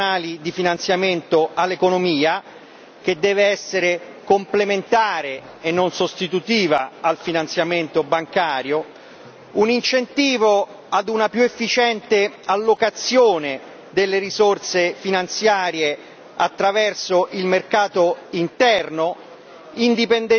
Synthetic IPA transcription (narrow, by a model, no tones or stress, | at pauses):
aːlid̪ifinant̪sjament̪oʔalːekonomiːa | k̟ed̪ːɛːveɛsːeɾekomplement̪aːɾe | enːonsost̪it̪ut̪iːvaalfinant̪sjament̪obaŋkaːɾjo | unint͡ʃent̪iːvo | ad̪unapjuefːit͡ʃɛnt̪ealːokat̪sːjoːne | d̪elːeɾizort̪sefinant̪sjaːɾje | a̰t̪ːɾavɛrsoʔilmerkaːt̪oint̪ɛrno | ind̪ipend̪ɛ